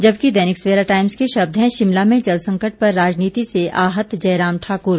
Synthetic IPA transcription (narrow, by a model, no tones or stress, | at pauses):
d͡ʒɐb̚kid̪ɛːnɪksʋeːɾaʈaːɪmskeʃɐb̚d̪ʱɦɛ̃ʃɪmlamẽd͡ʒɐlsɐ̃ŋkəʈ̚pɐɾːaːd͡ʒniːt̪iseʔaːɦət̪d͡ʒɐːɾaːmʈʰaːkʊɾ